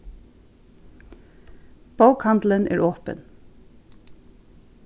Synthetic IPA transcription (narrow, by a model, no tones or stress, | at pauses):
b̥aʊkhɑnd̪l̩ənʔæːɹʔoːpə̰n